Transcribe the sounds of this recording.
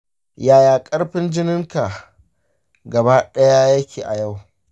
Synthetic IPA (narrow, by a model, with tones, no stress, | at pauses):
jaː˨˦jaː˨kʼɐ˦ɽɸɪ˦nd͡ʒɪ˦nɪ˦ŋka˨ | ɡɐ˨baː˦ɗɐ˦ja˦jɐ˦kʲeː˨ʔa˨ja˦˨w